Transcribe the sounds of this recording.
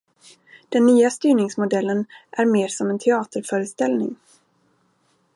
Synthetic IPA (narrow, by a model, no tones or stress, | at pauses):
d̪̥ɛnːyːast̪yːɳɪŋsmʊd̪ɛlːənʔæɾmeːʂɔmɛnt̪ʰɛɑːt̪əɾfœːɾəst̪ɛlnɪ̰ŋ